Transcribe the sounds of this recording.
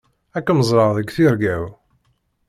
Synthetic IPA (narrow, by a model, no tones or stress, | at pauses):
ækːməzˤɾˤɑʁðəɡθiɾɡæw